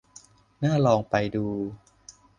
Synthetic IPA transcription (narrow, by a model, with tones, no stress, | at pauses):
naː˥˩lɔː˧ŋpa˧jduː˧